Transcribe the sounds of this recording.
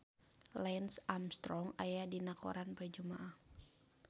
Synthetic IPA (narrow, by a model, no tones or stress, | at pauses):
lɛnsamst̪ɾɔŋa̰jadinakɔ̰ɾanpərd͡ʒumaʔah